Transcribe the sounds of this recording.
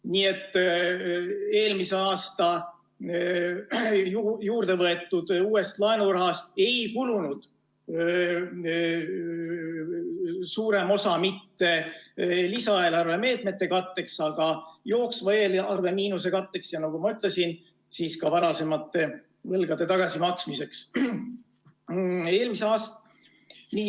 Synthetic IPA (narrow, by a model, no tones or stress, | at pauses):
niːe̞t̪ː | e̞ːlmise̞ɑːst̪ɑ | jjuːrd̪̥e̞vɤe̞t̪ːˑud̪̥uːe̞st̪lɑenurɑɦɑst̪e̞jkulunud̪̥ | suːɾe̞mo̞sɑmit̪ːe̞ | lisɑe̞ːlɑrve̞me̞ːt̪me̞t̪ːe̞kɑt̪ːe̞ksɑɡ̥ɑjo̞ːksvɑeːlɑrve̞miːnuse̞kɑt̪ːe̞ksjɑnɑɡ̥umɑyt̪ˑle̞sin | siːskɑvɑɾɑse̞mɑt̪ːe̞ | vɤlɡ̥ɑd̪̥e̞t̪ɑɡ̥ɑsimɑksmise̞ks | e̞ːlmiseɑːst̪ɑ̥ | ni